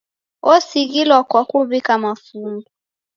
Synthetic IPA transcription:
ɔsiɣilɔkɔkuβikamafumu

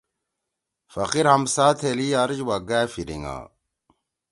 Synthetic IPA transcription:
fɐqiɾhɐmsaːt̪ʰeliaɾd͡ʑwaɡaːfiɾḭŋa̰ː

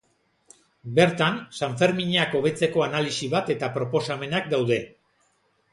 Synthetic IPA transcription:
be̞ɾt̪ansaɱfe̞ɾmiɲeako̞β̞e̞t͡se̞ko̞analisiβat̪e̞t̪apɾo̞po̞same̞nak̚d̪awðe̞

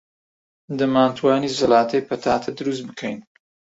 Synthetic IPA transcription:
d̪ɐmaːnt̪ʰwaːnizɐlaːt̪ʰɐjpɐt̪ʰaːt̪ʰɐd̪ɨɾus̬t̪̚bɨkʰɐjn

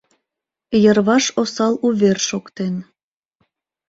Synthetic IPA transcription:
jərβɑʃosɑluβerʃokt̪en

